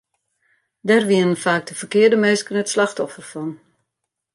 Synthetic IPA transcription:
dɛrʋiənənfaːk̚dəfərkɪərdəmøːskənətslaxtɔfərfɔn

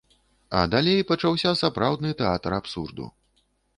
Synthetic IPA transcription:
ɐ̰d̪alʲejpɐt͡ʂawsʲɐsapɾawd̪nɨt̪ɛat̪ɾapsurd̪ṵ

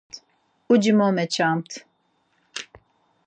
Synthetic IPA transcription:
t̪ | ud͡ʒimomɛt͡ʃʰamt̪ʰ

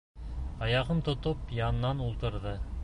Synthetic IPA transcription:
ɑjɑʁɤmt̪ŏt̪opjɑnɤ̆nːɑnulˠt̪ɤ̆ɾðɤ

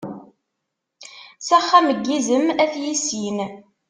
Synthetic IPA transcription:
sæχːæməɡːizəmæθjisin

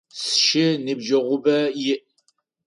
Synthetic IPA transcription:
sʃɪnɨbʒɐʁʷʊbɐjɪʔ

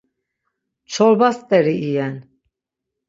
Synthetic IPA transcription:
t͡ʃʰɔɾbast̪ʼɛɾiʔːjɛn

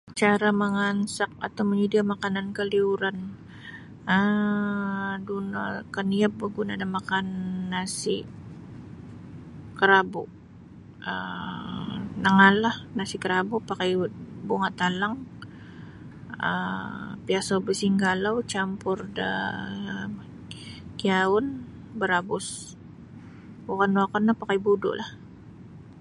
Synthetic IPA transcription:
t͡ʃaɾaməŋansak̚at̪awməɲudiamakanankəliuɾan | ə | duna̰kəniap̚bəɡunadamakanːasiʔ | kəɾabʊʔ | ə | naŋalahnasɪʔkəɾabʊʔpakajbuŋaʔt̪alaŋ | ə̰piasabəsiŋɡalawt͡ʃampʊrdə̰ | kiaʊn | bəɾabʊs | bukanwakanːapakajbudʊ̰ʔlah

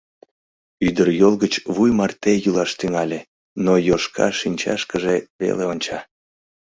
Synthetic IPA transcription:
yd̪ərjolˠɣət͡ɕβujmɑrt̪ejulɑʃt̪yŋɑlʲe | nojoʃkɑ̰ʃinʲt͡ɕɑ̰ʃkəʒeβḛleonʲt͡ɕɑ

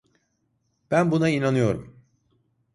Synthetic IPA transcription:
b̥ænbunainanɯjo̞ɾum

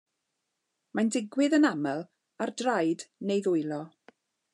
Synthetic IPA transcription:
mandɪɡwɪðənamɛlˠ | ardrajdnejðʊɨlˠɔ

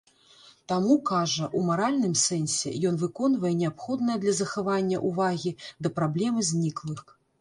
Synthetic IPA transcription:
t̪amukaʐɐʔumaɾalʲnɨmsɛnʲsʲɛ̰jɔn̪vɨkɔnvɐjɛnʲɛapxɔd̪nɐjɐd̪lʲɐzɐxavanʲːɐ̰ʔuvaɣʲid̪ɐpɾablʲɛmɨzʲnʲiklˠɨx

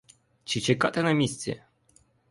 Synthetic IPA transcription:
t͡ʃit͡ʃekat̪enəmʲist̪sʲiḛ

